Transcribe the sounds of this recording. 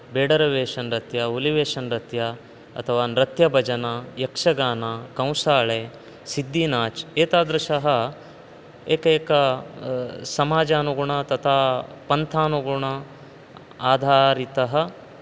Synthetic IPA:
beːɖɐɾɐʋeːʂɐnɾɐt̪jɐuliʋeːʃɐnɾɐt̪ja | ɐ̰t̪ʰɐʋaːnɾɐt̪jɐbʱɐd͡ʒɐnajɐkʂɐɡaːnakɐ̃w̃saːɭeː | sid̪ːinaːt͡ʃeːt̪aːd̪ɾɐʃɐɦɐ | eːkɐeːkɐ | sɐmaːd͡ʒaːnuɡuɳɐt̪ɐt̪ʰaːpɐnt̪ʰaːnuɡuɳɐ | aːd̪ʱaːɾit̪ɐɦɐ̆

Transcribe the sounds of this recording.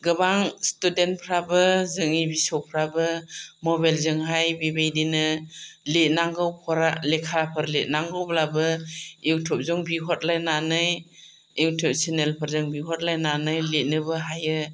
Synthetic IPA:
ɡɯbaŋstudent̚pʰɾabɯzɯŋibisɔwpʰɾabɯmɔbajlzɯŋɦajbibajdinɯlet̚naŋɡɯwpʰɔɾalekʰapʰɯɾlet̚naŋɡɯwblabɯewtʰɔp̚zɔŋbiɦɔt̚lajnanɯj | ewtʰɔp̚senelpʰɯɾzɯŋbiɦɔt̚lajnanɯjlet̚nɯbɯɦajɯ

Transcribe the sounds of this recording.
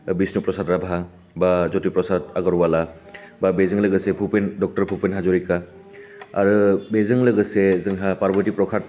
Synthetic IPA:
bisnupɾɔsatɾabʱa | bazotipɾɔsat̚aɡaɾuwala | babezɯŋlɯɡɯsepʰupendɔk̚tɔɾpʰupenɦazɔɾika | a̰ɾɯbezɯŋlɯɡɯsezɯŋɦapaɾbʱɯɾtipɾɔkʰat

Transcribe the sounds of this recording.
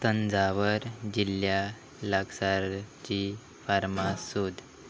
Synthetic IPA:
t̪ənd͡zaʋəɾd͡ʑilːja | laɡsaɾt͡ɕi | faɾmasud̪ʱ

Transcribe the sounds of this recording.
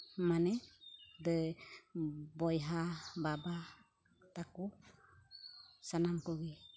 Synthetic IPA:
manɛd̪ɛ | bɔjɦababa | t̪aku | sanamkɔɡɛ

